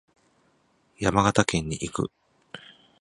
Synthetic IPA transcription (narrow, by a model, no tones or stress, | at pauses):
jamaɡat̪akẽ̞ɲ̟ːiʔikɯ̟̰